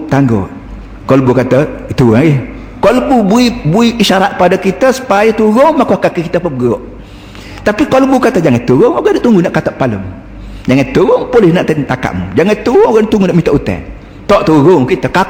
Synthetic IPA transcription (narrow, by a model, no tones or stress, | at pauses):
t̪aŋɡo̰ | kɔlbukat̪əit̪uai | kɔləbubuibuiiʃaɾaʔ̪̚padakit̪əsu̥pajət̪uɾʊŋmakuakakikit̪əpəɡoʔ | t̪apikɔləbukat̪əd͡ʒaŋat̪uɾʊŋoɡandaʔt̪uŋɡunaʔkat̪aʔpaləm | d͡ʒaŋant̪uʊŋpolɪhnaʔt̪ant̪aka̰ʔmṵd͡ʒaŋat̪uʊŋoɡaʔnʔt̪uŋɡunaʔmit̪aʔut̪ɛ̰n | t̪ɔʔt̪uɾʊŋkit̪əka